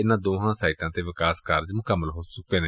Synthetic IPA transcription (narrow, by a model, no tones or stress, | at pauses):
ɪnãːd̪oːɦãːsaːiːʈãːt̪eːʋɪkaːskəɾd͡ʒmʊkəmːəlɦoːsʊkeːneː